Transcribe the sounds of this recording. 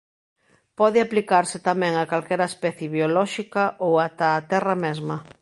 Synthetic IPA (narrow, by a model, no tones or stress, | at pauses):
pɔð̞ɪaplikaɾsɪt̪amɛ̃ŋakalkɛɾaespɛθjeβjolɔʃikaʔowat̪aːt̪ɛrɐmɛzmɐ